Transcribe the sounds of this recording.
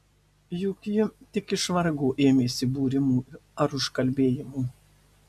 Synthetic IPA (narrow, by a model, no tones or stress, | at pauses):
juːkʲjʊt̪ʲɪkɪʃʋɐɾɡuːʔeːmʲeːsʲɪbuːɾʲɪmuːɐɾʊʃkɐlʲbʲeːjɪmuː